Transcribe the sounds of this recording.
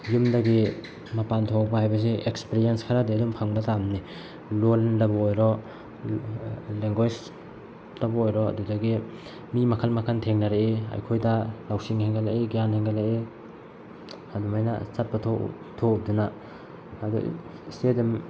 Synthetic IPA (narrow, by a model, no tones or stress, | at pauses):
jumdaɡi | mapantʰoak̚bahajbɐs̬eʔekspeɾienskʰaɾadiadumpʰaŋbɐtamni | loldabɔojɾɔ | leŋɡwas | labaojɾɔa̰dudaɡi | mimakʰalmakʰantʰeŋnaɾeea̰jkʰojdalawsiŋheŋɡalaeɡianhaŋɡalae | hadumajna̰sat̚patʰo̰ | tʰoup̚dunaː | dṵ | stedim